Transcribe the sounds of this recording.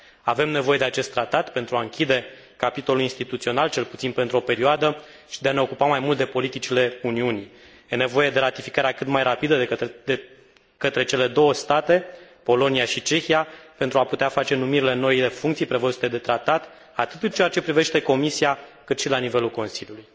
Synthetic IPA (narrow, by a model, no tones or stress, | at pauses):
ave̞mne̞vo̞je̞d̪eat͡ʃe̞st̪ːɾat̪at̪pe̞nt̪ɾuaɨŋkʲid̪e̞ | kapit̪o̞luinst̪it̪ut̪sio̞nalt͡ʃe̞lput̪sinpent̪ɾuo̞pe̞ɾioad̪ə | ʃid̪e̞ane̞o̞kupamajmult̪̚d̪epo̞lit̪it͡ʃile̞uniuni | jene̞vo̞je̞d̪e̞ɾat̪ifikaɾeakɨt̪majrapid̪ə | kət̪ɾe̞t͡ʃe̞le̞d̪o̞wəst̪at̪e̞po̞lo̞niaʃit͡ʃe̞xijape̞nt̪ɾuaput̪eafat͡ʃe̞numiɾile̞no̞ile̞fuŋkt̪sijpɾevəzut̪ed̪e̞t̪ɾat̪at̪ | at̪ɨt̪ɨnt͡ʃe̞jat͡ʃe̞pɾive̞ʃt̪e̞ko̞misiakɨt̪ʃilanive̞lulko̞nsilʲjuluj